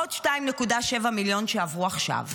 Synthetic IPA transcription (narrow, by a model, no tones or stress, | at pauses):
otʃtaimnekudaʃe̞vamiljo̞nʃeavʁuaχʃa̰v